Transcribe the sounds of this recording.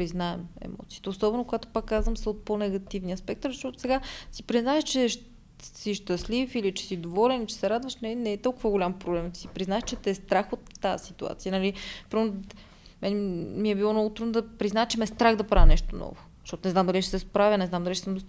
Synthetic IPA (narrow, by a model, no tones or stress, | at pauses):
pɾiznaɛmɛ̰mɔ̰t̪siːt̪ɛosɔbɛnokoɡat̪o̥pakːazvəmsəot̪̚ponɛɡɐt̪ivniɐspɛk̚t̪əɾzəʃt̪ɔt̪ʊ̥sɛɡasi̥pɾiznaɛʃt͡ʃɛʃ | siʃt̪ɐslifilit͡ʃɛ̥sid̪ovɔlɛnit͡ʃɛ̥sɛɾad̪vəʃnɛnɛːt̪ɔlˠkʊvəɡʊlʲampɾoblɛmt̪i̥sipɾiznaɛʃt͡ʃɛt̪ɛst̪ɾaxot̪ːaəsit̪ua̰t̪siənɐlipɾvno | mɛnɛmiɛbiwɔmnɔɡot̪ɾud̪nod̪ɐpɾiznaɛt͡ʃɛmɛst̪ɾaɣd̪ɐpɾavʲɐnɛʃt̪onɔ̰vʊz̥ʃtɔt̪onɛznamd̪ɐliʃɛsɛspɾavʲjənɛznamd̪ɐliʃɛ̥səmd̪o